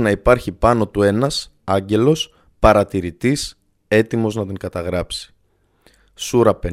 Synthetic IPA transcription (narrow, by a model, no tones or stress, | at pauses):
nɐipɐɾçipɐno̞t̪ue̞nɐs | ɐɲɟe̞lo̞s | pɐɾɐt̪iɾit̪is | e̞t̪imo̞znɐt̪iŋɡɐt̪ɐɣɾɐpsi̥ | suɾɐpe